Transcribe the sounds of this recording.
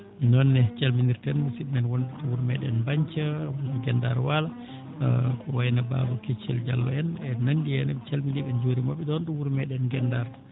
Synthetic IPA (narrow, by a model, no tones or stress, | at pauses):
nɔnːɛt͡ʃalminiɾtɛnusimɛnwondutɔwuɾmɛɗɛ̰nbaɲt͡ʃawuaɡɛnda̰ɾwala | kɔwajnaba̰bɔket͡ʃːɛ̰ld͡ʒa̰lːɔ̰ɛnɛnandijɛnɛt͡ʃalminiɓɛnd͡ʒoɾimaɓɛdɔnduwuɾmɛɗɛnɡɛndaɾ